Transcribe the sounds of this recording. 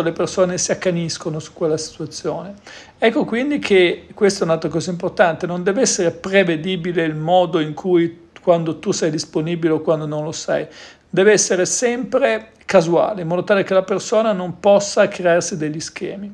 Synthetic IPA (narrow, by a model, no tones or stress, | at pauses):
lepersoːnesiakːaniskonosu̥kːwelːasi̥t̪uat̪sːjoːne | ɛkːokwind̪ikʰekwest̪ɛunalt̪ɾakɔːzaimport̪ant̪enond̪ɛːveɛsːeɾepɾeved̪iːbileilmɔːd̪oiŋkʰuj | kwand̪ot̪usɛjd̪isponiːbileokwand̪onõnlosa̰j | d̪ɛːveɛsːeɾesɛmpɾe | kazua̰ːleimɔːd̪ot̪aːlekelapersoːnanompɔsːakɾearsid̪eʎːisk̟ɛ̰ːmi